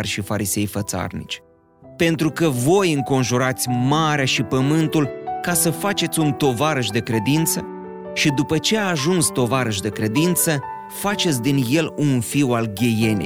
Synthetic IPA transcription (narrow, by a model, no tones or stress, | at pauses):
rʲʃifaɾise̞jfət̪sa̰rnḭt͡ʃʲ | pe̞nt̪ɾukəvo̞jɨŋko̞nʒuɾat̪sʲmaɾeaʃipəmɨnt̪ulkasəfat͡ʃe̞t̪sʲunt̪o̞vaɾəʃ̬d̪e̞kɾe̞d̪int̪sə | ʃid̪upət͡ʃe̞aːʒunst̪o̞vaɾəʃ̬ʲd̪e̞kɾe̞d̪int̪sə | fat͡ʃe̞t̪sʲd̪inje̞lunfiwalɡʲe̞je̞nḛj